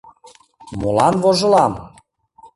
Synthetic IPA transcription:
molɑnβoʒɤ̆lɑm

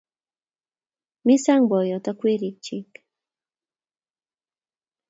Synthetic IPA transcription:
mɪsaŋbojot̪akʷɪɾɪkt͡ʃɪk

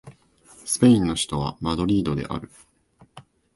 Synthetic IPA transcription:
sɨ̥pe̞ĩnːo̞çi̥t̪o̞β̞a̰mad̪o̞ɾʲiːd̪o̞d̪e̞̰ʔa̰ɾɯ̟

